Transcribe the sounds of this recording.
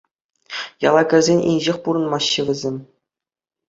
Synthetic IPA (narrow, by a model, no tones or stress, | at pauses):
jɑlˠɑkʲɘ̆rʲzʲenʲʔḭnʲʑɘxʲpuɾɤ̆nmɑɕːɘ̆ʋʲɘ̆zʲemʲ